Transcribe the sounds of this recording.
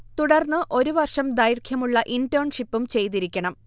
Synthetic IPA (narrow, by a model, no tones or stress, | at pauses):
t̪uɽɐrnːɨʔo̞ɾuʋɐrʂɐmd̪ajɾkʰjɐmuɭːɐʔintoːɳʂipːumt͡ɕe̞jt̪̬iɾikʲːɐɳɐm